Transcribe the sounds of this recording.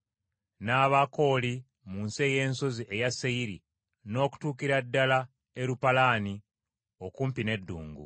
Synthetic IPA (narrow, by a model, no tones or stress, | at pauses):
naːβako̞ːli | munse̞ːje̞ːnso̞ziʔe̞jasːeiɾi | no̞ːku̥tuːkiɾadːala | e̞ɾupalaːni | o̞kuːmpine̞dːṵːŋɡṵ